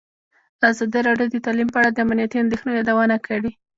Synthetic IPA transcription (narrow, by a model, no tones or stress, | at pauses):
azɑd̪iɾɑɖjod̪ət̪alimpəaɽad̪əamnijat̪iand̪exnejɑd̪awɑnakʰəɽi